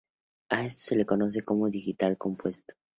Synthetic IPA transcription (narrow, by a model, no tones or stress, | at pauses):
ae̞st̪o̥se̞le̞ko̞no̞s̬e̞ko̞moðixit̪alko̞mpwe̞st̪o̥